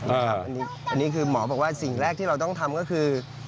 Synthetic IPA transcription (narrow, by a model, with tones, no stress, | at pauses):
aaː˦˥˧a˦ʔa˧nːiː˦˥ | ʔa˧nːiː˦˥kʰɯː˧mɔː˩˦bɔː˨˩k̚waː˥˩si˨˩ŋɾɛː˥˩k̪̚ʰiː˥˩ɾa˧wt̪ɔ˥˩ŋt̪ʰa˧mkɔ˥˩kʰɯː˧